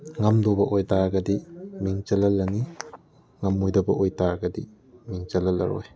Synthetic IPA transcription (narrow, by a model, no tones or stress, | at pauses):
ŋɐmdobɐʔojtaɡɐdimiŋt͡ʃɐlɐlːɐni | ŋɐmːojdɐbɐʔojtaɡɐdi | miŋt͡ʃɐlɐlːɐ̰ɾo̰j